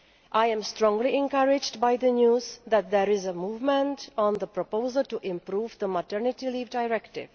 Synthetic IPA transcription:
ʔaɪɛ̃mstɾɔ̃ŋɡliɛ̃nkʌɾɪd͡ʒdbaɪd̪ənjuːzd̪æt̪̚d̪ɛɾɪzəmuːvmə̃ntɔ̃nd̪əpɾopoʊzəlʈuʔɪ̃mpɾuːvd̪əmətəɾnɪtiliːvdaɪɾɛktɪ̰v̥

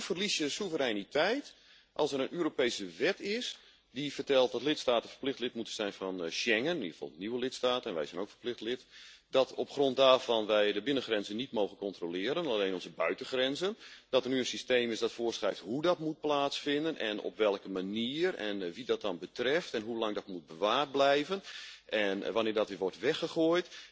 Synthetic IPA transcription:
fərlisjəsuvəɾɛjnitʰɛjt | ʔɑ̰lˠsəɾənʔøːɾopejsəʋɛtɪs | difərtɛlˠt̚dɔtlɪtstaːtənfə̥rplɪxχtlɪtmutənz̥ɛjnfɔnʃɛŋənnḭrəv̥fɑ̰lˠəniwəlɪtstaːtəɛnʋɛ̰jzɛjnowkfərplɪxtlɪtdɔtʰɔpxrɔnt̚daːrvɑnʋɛjdəbɪnənxrɛnzənitmowɣənkɔntrolɪːɾənalejnɔnzəbœɥtəxrɛnzənd̥ɔtərnyənsistejmɪsdɔtfʊːrsχrɛjftɦudɔtmut̚plaːtsfɪndənʔɛ̰nɔ̰pʋɛlˠkəmaniːərɛ̰nʋidɔt̚dɑnbətrɛftɛnɦulɑŋdɔtmut̚bəʋaːrt̚blɛjvənʔɛnʋanɪːdɔtʋɪʋɔrtʋɛxəxojt

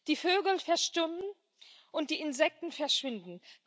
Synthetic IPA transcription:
d̥iːføːɡl̩fɛɐʃtʊmn | ʔʊnt̚d̥iːɪnzɛk̚tn̩fɛɐʃv̥ɪndn̩

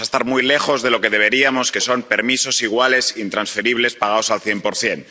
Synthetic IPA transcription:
aest̪aɾmujle̞xo̞zðe̞lo̞keð̞e̞β̞e̞ɾiamo̞ske̞so̞mpe̞ɾmiso̞siɣ̞wale̞sint̪ɾãnsfe̞ɾiβ̞le̞spaɣ̞aosalθjempoɾθje̞n

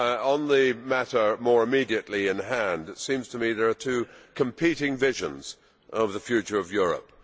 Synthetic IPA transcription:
ə̃nðɨmæɾə˞mɔɹɨmiɾiɨʔˡliɪ̃nɦæ̃ndsĩmz̥tʰəmiðə˞ːtʰʉkʰmpʰiɾɪ̃ŋvɪʒɨ̰̃nz̥ | ʔʌvðəfjʉt͡ʃə˞ʌvjʊɹə̰p̚

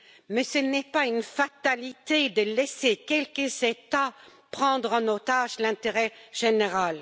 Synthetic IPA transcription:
mɛsənɛpaynfat̪alit̪ed̪əlɛsekʲɛlkəzet̪apχɑ̃d̪ʁɑ̃not̪aʒlɛ̃t̪eʁɛʒ̥eneʁal

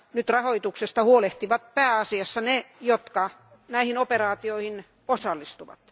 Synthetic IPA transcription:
nyt̪rɑhoit̪uksest̪ɑhuoleht̪iʋɑt̪̚pæːɑsiɑsːɑnejot̪kɑ | næihinoperɑːt̪ioihin | osɑlːist̪uʋɑ̰t̪

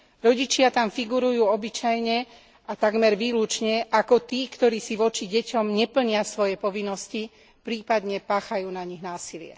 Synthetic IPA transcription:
ɾɔɟit͡ʃɪat̪amfiɡuɾujuːɔbit͡ʃajɲɛ | at̪aɡmɛɾʋiːlut͡ʃɲɛʔakɔt̪iːkt̪ɔɾiːsiʋɔt͡ʃiɟɛcɔmɲɛpl̩ɲɪasʋɔjɛpɔʋinːɔsci | pɾiːpad̪ɲɛpaːxajuːnaɲiɣnaːsilɪɛ̰

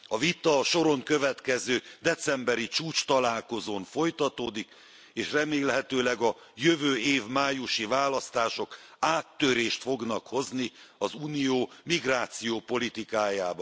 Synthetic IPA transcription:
ɒvit̪ɒʃo̞ɾo̞ŋkø̞vɛt̪kɛzøːd̪ɛt̪sɛmbɛɾit͡ʃuːt͡ʃt̪ɒlaːlko̞zoːɱfo̞jt̪ɒt̪oːd̪ik | eːʃrɛmeːlɦɛt̪øːlɛɡɒ | jøvøːeːvmaːjuʃivaːlɒst̪aːʃo̞kaːt̪ːøɾeːʃt̪fo̞ɡnɒkho̞zniɒzuːnijoːmiɡraːt̪sijoːpo̞lit̪ikaːjaːbɒ

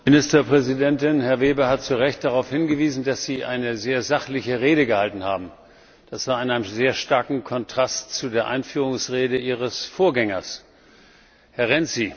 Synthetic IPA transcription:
mɪnɪstɐpʁ̥ɛzidɛntɪnhɛɐveːbɐhat̚t͡suʁɛçt̚d̥aʁaʊfhɪnɡəviːzn̩dasz̥iːʔa̰ɪnəzeːɐzaχlɪçəʁeːɾəɡəhaltn̩haːbm̩ | d̥asv̥aːɐɪnʔaɪnəmzeːɐʃtaɐkŋ̩kʰɔntʁ̥astt͡sudeːɐʔaɪnfyːʁ̞ʊŋsʁeːdəʔiːʁəsfoːɐɡɛŋɐs | hɛɐʁɛnt͡si

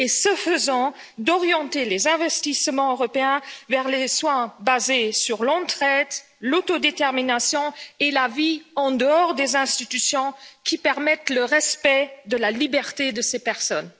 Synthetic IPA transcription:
esəfəzɑ̃ | d̪ɔʁjɑ̃t̪elezɛ̃vɛst̪ismɑ̃øʁɔpeɛ̃vɛʁleswɛ̃bazesyʁlɑ̃t̪χɛt̪ | lot̪od̪et̪ɛʁminasjɔ̃elaviɑ̃d̪əɔʁd̪ezɛ̃st̪it̪ysjɔ̃kʲipɛʁmɛt̪ləʁɛspɛd̪əlalibɛʁt̪ed̪əsepɛʁsɔn

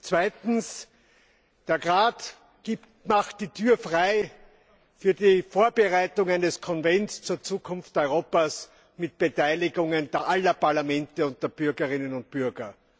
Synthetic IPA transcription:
t͡sv̥æɪtn̩s | d̥eːɐʁaːt | ɡ̥iːptmaχt̚d̥iːtʰyːɐfʁaɪ | fyːɐdiːfoːɐbəʁaɪtʊŋænnɛskʰɔnvɛntst͡suːɐt͡suːkʰʊnftɔʏʁoːpas | mɪt̚b̥etʰæɪlɪɡʊŋəndeːɐʔalɐpʰaɐlamɛ̃ntəʊnt̚d̥eːɐb̥ʏɐɡəʁɪnənʊnt̚b̥ʏɐɡɐ

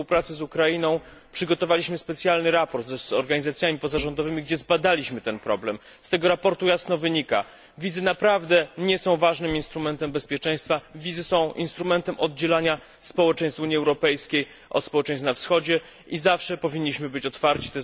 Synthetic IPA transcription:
spuwpɾat̪sɘzukɾainɔ̃w̃ | pʂɘɡɔt̪ɔvalʲiɕmɘspɛt̪sʲjalnɘɾapɔɾt̪zzɔɾɡaɲizat̪sʲjamʲipɔzaʐɔnd̪ɔvɘmʲiɡd͡ʑɛzbad̪alʲiɕmɘt̪ɛnpɾɔblɛm | st̪ɛɡɔɾapɔɾt̪ujasnɔvɘɲika̰ | vʲizɘnapɾavd̪ɛɲɛsɔ̃w̃vaʐnɘminst̪ɾumɛnt̪ɛmbɛspʲjɛt͡ʂɛ̃j̃st̪favʲid̪zɘsɔ̃w̃ʔḭnst̪ɾumɛnt̪ɛmʔɔd̪d͡ʑɛlaɲa | spɔwɛt͡ʂɛj̃st̪vuɲiɛwɾɔpɛjskʲej | ʔɔ̰t̪spɔwɛt͡ʂɛ̃j̃snafsxɔd͡ʑɛ | ʔizafʂɛpɔvʲiɲːiɕmɘbɘt͡ɕɔt̪faɾt͡ɕi̥t̪ɛ

